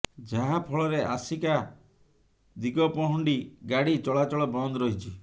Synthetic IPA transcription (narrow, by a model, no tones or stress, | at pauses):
d͡ʒaɦapʰɔɭɔɾeʔasika | d̪iɡɔpɔɦɔɳɖiɡaɽit͡ʃɔɭat͡ʃɔɭɔbɔnd̪ɔɾɔɦit͡ʃʰi